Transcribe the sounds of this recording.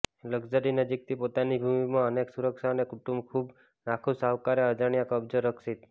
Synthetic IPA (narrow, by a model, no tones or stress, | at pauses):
ləɡd͡ʒəɾinəd͡ʒik̚t̪ʰipot̪anibʱumimãəneksuɾəkʃanekuʈumbkʰub | nakʰũsaʋkaɾeəd͡ʒaɽ̃ijakəbd͡ʒoɾəkʰʃit̪